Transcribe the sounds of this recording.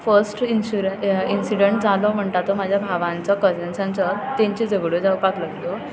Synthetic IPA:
fəɾsʈiuinsiɽeɳʈ̚d͡zalɔm̤əɳt̪at̪ɔmad͡ʑʱjabʱaʋãnt͡sakəsensãnt͡sət̪ẽɲt͡ɕid͡zəɡɽod͡zawpaklaɡt̪o

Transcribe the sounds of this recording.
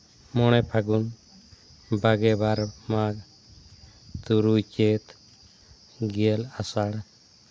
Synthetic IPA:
mɔɽ̃ɛpʰaɡun | baɡɛbaɾmaɡ | t̪uɾut͡ʃet̪ | ɡiəlasaɽ

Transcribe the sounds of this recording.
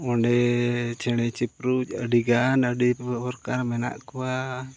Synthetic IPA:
ɔɳɖɛt͡ʃʰɛɽɛt͡ʃipɾud͡ʒə̰ɖiɡanəɖipɔɾkaɾmɛna̰ʔkuwa

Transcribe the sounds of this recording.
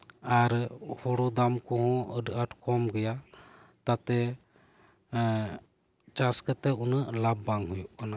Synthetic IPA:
aɾhɔɽɔd̪amkɔɦɔ̃əɖəʈkʰɔmɡɛja | t̪at̪ɛ | t͡ʃaskət̪ɛunəʔlabːaŋɦujuʔkana

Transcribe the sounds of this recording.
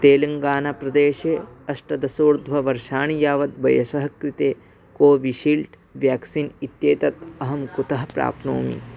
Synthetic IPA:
t̪eːlɐŋɡaːnaːpɾɐd̪eːʃeːɐsʈɐd̪ɐsoːɾd̪ʱʋɐʋɐɾʃaːɳijaːʋɐt̪̚bɐjɐsɐɦɐkɾit̪eː | koːʋiʃiːlʈ | ʋjaːksinit̪jeːt̪ɐt̪ɐɦɐmkut̪ɐɦɐpɾa̰ːpno̰ːmḭ

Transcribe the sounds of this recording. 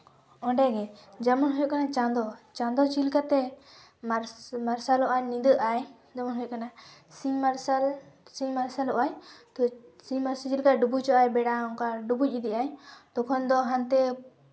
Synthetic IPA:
ɔ̃ɳɖɛɡɛd͡ʒamɔnɦujɔkanat͡ʃãd̪ɔt͡ʃãnd̪ɔt͡ʃilkat̪ɛ | aɾmaɾsalɔʔajnĩnd̪əʔaj | d͡ʒɔmɔnɦujkanasimaɾsalsĩmaɾsalɔʔaɲt̪ɔsĩmaɾsat͡ʃilkaɖubut͡ʃɔʔajbɛɽaɔŋkaɖubuc̚ˀid̪iʔajt̪ɔkʰɔnd̪ɔɦãnt̪ɛ

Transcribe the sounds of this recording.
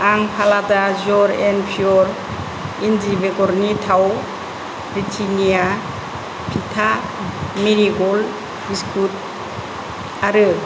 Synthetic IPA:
aŋpʰaladazɔɾɛnpʰiɔɾ | indibeɡɔɾnitʰaw | bɾitʰinija | pʰitʰa | miɾiɡɔl | biskʰut̚ | aɾɯ

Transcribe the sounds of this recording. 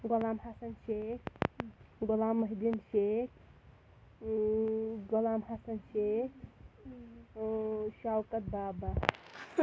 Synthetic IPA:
ɡolaːmɦasɐnʃekʰ | ɡɔlaːmːɐɦd̪inʃek | ɡolaːmhaːsɐnʃekʰ | ʃawkət̪̚baːba

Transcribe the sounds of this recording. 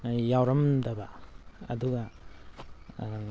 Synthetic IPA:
jawɾɐmdɐbɐɐ̰duɡɐ

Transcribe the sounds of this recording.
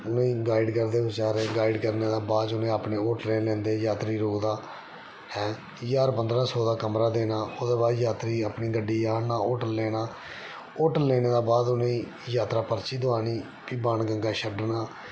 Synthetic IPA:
ʊnẽiːɡaːɪɖkəɾd̪eːʋɪt͡ʃaːɾeːɡaːɪɖkəɾneːd̪aːbaːt͡ʃʊnẽːapneːoːʈlẽːlɛ̃ːnd̪eːjaːt̪ɾiːɾoːkd̪aː | hɛ̃ː | jaːɾpənd̪ɾãːsɔːd̪aːkəmɾaːd̪eːnaːoːd̪eːbaːd̪jaːt̪ɾiːapniːɡəɖːiːjaːnaːoːʈəlleːnaː | oːʈəleːneːd̪aːbaːd̪ʊnẽː | jaːt̪ɾaːpəɾt͡ʃiːd̪ʊaːniː | piːbaːnɡəŋɡaːʃʰəɖnaː

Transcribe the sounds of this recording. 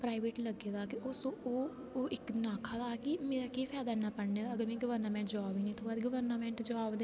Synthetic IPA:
pɾaːiʋeːʈləɡeːd̪aːkɪʊsõoː | ɪknaːkʰaːd̪aːkɪmeːɾaːkiːpʰɛːd̪aːnaːpəɽneːd̪aəɡəɾmɛ̃ːɡəʋəɾnaːmɛ̃ːɳʈd͡ʒaːbiːnĩːt̪ʰoːbaːd̪ɡəʋəɾnaːmɛ̃ːɳʈd͡ʒaːbd̪eː

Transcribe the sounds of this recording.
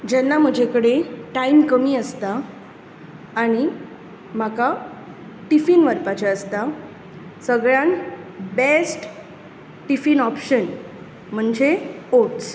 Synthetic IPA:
d͡ʑɛnːam̤əd͡ʑʱekəɽeʈaimkəmiːəst̪a | ɽ̃i | m̤aka | ʈifiːnʋəɾpat͡ɕaəst̪a | səɡɭjãnbesʈ | ʈifiːnɔpɕən | m̤əɳd͡ʑeoʈs

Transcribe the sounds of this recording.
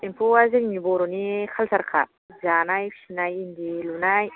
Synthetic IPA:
empuazeŋmiboɾunixʰalsaɾakʰa | d͡ʒanajfi̥sinajind̪ilunaj

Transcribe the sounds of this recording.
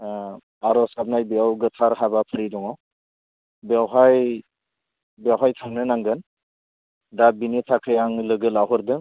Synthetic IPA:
aɾɔsab̚najbijawɡɯtʰaɾɦabapʰɯɾidɔŋaw | bawɦaj | bawɦajtʰamnɯnaŋɡɯn | dabinitʰakʰɯjaŋlɯɡɯlaɦɯɾdɯ

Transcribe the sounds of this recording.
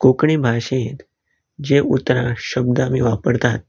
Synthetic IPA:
kokɳiːbʱaɕẽt̪ | d͡ʑeʔut̪ɾãɕəb̚d̪amiːʋapəɾt̪at̪̚

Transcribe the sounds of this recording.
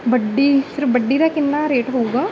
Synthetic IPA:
bəɖːiːpʰɪɾbəɖːiːd̪aːkɪnːaːɾeːʈɦouːɡaː

